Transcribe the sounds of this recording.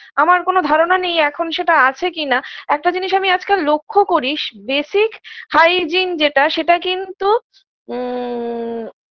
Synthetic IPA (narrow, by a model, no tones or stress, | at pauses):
amaɾkonod̪ʱaɾonanejɛkʰonʃeʈaat͡ɕʰekinaɛk̚ʈad͡ʑiniʃamiad͡ʑkelokʰːokoɾiʃbeʃikhajd͡ʑind͡ʑeʈaʃeʈakint̪u